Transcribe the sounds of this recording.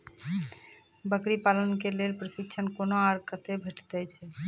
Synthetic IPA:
bəkɾipalonkelelpɾoʃikt͡ʃʰankonoaɾkət̪ebʱeʈʰt̪ajt͡ɕʰe

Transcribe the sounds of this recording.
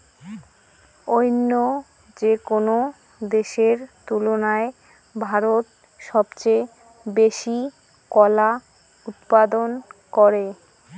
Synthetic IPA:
ojnːo | d͡ʑekono | d̪eʃeɾt̪ulonae | bʱaɾot̪ | ʃɔbt͡ɕe | beʃi | kɔla | ut̪̚pad̪onkɔɾe

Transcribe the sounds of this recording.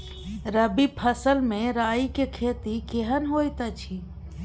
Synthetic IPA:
ɾəbipʰəsəlmẽɾaːikekʰeːt̪ikeɦənɦoːjt̪at͡ʃʰi

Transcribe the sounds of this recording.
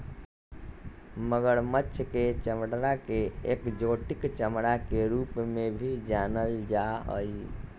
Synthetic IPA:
məɡəɽmətːʃʰket͡ʃəmɽɾakeekd͡ʒoʈikt͡ʃəmɽakeɾupmebʱid͡ʒanəld͡ʒaɦə̰j

